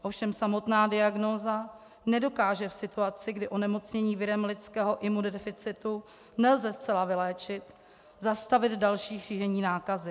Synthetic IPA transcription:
ʔofʃɛmsamo̞t̪naːdɪaɡno̞ːza | nɛdo̞kaːʒɛfsɪt̪uat͡sɪɡdɪʔo̞nɛmo̞t͡sɲɛɲiːvɪɾɛmlɪtt͡skɛːɦo̞ʔɪmuddɛfɪt͡sɪt̪u | nɛlzɛst͡sɛlavɪlɛːt͡ʃɪt̪ | zast̪avɪd̪dalʃiːɦr̝iːʒɛɲiːnaːkazɪ

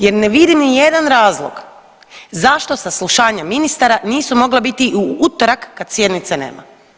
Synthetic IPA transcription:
je̞ɾneʋid̪imnije̞d̪anɾaːzlˠo̰ɡ | zaʃt̪o̞sasluʃaːɲaminist̪aɾaniːsumo̞ɡlabit̪iʔuut̪oɾakːad̪sje̞d̪nit̪sanḛːma̰

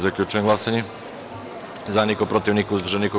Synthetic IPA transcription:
zaklʲut͡ʃɔɛmɦlasɛɲi | zanikɔpɾɔt̪iwɲiːkɔzvrʒɛnikɔ

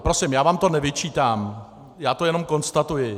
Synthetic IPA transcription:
pɾosɪmjaːvaːmt̪o̞nɛvɪt͡ʃiːt̪aːm | jaːt̪o̞jɛno̞mko̞nst̪at̪ujɪ

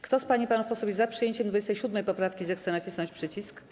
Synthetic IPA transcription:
kt̪ɔspaɲipanufpɔsɔbʲizapʂɨjeɲt͡ɕɛmd̪vud͡ʑɛst̪ɛjɕud̪mɛjpɔpɾafkʲizɛxt̪sɛnat͡ɕisnɔ̃ɲt͡ɕʲpʂɘt͡ɕisk

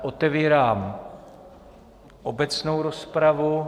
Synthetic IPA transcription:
ʔot̪ɛviːɾaːm | ʔobɛt͡sno̞wɾospɾavu

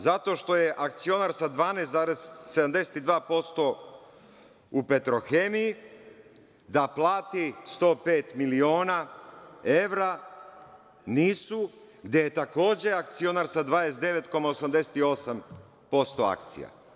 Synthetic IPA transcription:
zat̪o̞ʃt̪o̞je̞ʔakt̪sio̞naːɾsad̪ʋaːnest̪zaːɾezse̞d̪amd̪e̞set̪id̪ʋaːpo̞st̪o̞ | upe̞t̪ɾo̞xemiji | d̪aplˠaːt̪ist̪o̞ːpe̞ːt̪milio̞ːna | e̞ʋɾa | niːsu | ɡd̪ʲjejet̪ako̞ːd͡ʑe̞ak̚t̪sio̞naɾsad̪ʋaːjest̪d̪e̞ʋe̞t̪ko̞maosamd̪e̞set̪io̞sam | po̞st̪o̞a̰kt̪sḭja̰

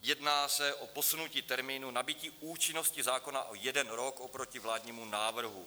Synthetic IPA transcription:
jɛdnaːsɛʔo̞po̞sunuciːt̪ɛɾmiːnunabɪciːʔuːt͡ʃɪno̞scɪzaːko̞naʔojɛdɛnɾo̞kʔo̞pɾo̞cɪvlaːdɲiːmunaːvr̩ɦu

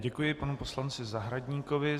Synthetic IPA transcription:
ɟɛkujɪpanupo̞slant͡sɪzaɦɾaɟɲiːkovɪ

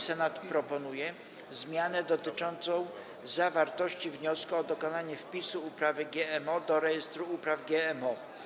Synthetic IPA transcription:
sɛnat̪pɾɔpɔnujɛ | zmʲjanɛd̪ɔt̪ɘt͡ʂɔnt̪sɔ̃w̃ | zavaɾt̪ɔɕt͡ɕivɲɔskuɔd̪ɔkɔnaɲɛfpʲisuːpɾavɘɡʲjɛɛmɔd̪ɔɾɛjɛst̪ɾuupɾavɡʲjɛɛmɔ

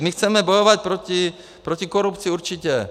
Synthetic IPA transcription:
mixt͡sɛmɛbɔjɔʋac̚pɾɔci | pɾɔcikɔɾupt͡siuɾt͡ʃicɛ

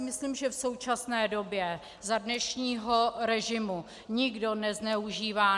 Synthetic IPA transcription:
mɪsliːmʒɛfso̞wt͡ʃasnɛːdo̞bjɛ | zadnɛʃɲiːɦo̞ɾɛʒɪmu | ɲɪɡdo̞nɛznɛuʒiːvaː

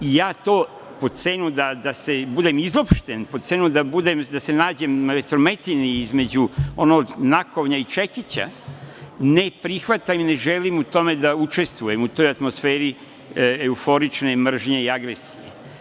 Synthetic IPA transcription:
ijaːt̪oː | po̞t̪senud̪ad̪ase̞bud̪e̞mizo̞pʃt̪e̞npose̞nud̪abud̪emd̪ase̞naːd͡ʑemɾet̪ɾome̞t̪iniizme̞d͡ʑuo̞noːɡnako̞ʋɲait͡ʃekit͡ɕa̰ | ne̞pɾixʋat̪amne̞ʒe̞limut̪o̞me̞d̪aut͡ʃe̞st̪ʋuje̞mut̪o̞jat̪mo̞sfeːɾi | eufo̞ɾit͡ʃnemr̩ʒɲe̞iaɡɾesijḛ

